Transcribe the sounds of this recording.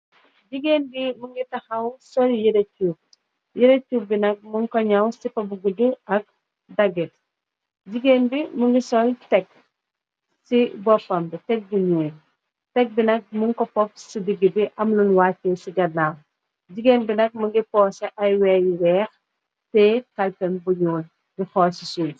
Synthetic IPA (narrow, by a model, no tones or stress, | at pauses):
ɟiɡeːnbimuŋɡitɐxɐwsɔljiɾɐcːu | jiɾecːubinɐk̚muŋkɔɲɐwsipɐbuɡuduɐk̚ | dɐɡit̚ | ɟiɡeːnbimuŋɡisɔltɛk̚ | sibɔpːɐmbitɛk̚buɲuːl | tɛk̚binɐk̚muŋkɔpɔp̚sidiɡibiʔɐmlunwaːtːesiɡɐnaw | ɟiɡeːnbinɐk̚muŋɡipɔsɐʔɐjwɛjwɛːx | tɛkɐlpɛnbuɲuːl | bixɔːsisul